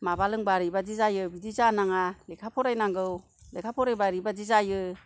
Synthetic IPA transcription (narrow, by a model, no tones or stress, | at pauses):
mabalɯŋbaɾibadizajɯbidizanaŋalekʰapʰɔɾajnaŋɡɯw | lekʰapʰɔɾajbaɾibadizajɯ